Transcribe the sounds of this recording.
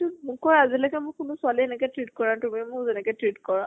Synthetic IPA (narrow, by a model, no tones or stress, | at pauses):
tumʊkɔɹazilɔkɛmʊ̃kʊnʊsʊaliɛnɛkɛjtɹit̚kɔɹãtumimʊkzɛnɛkɔtɹitkɔɹa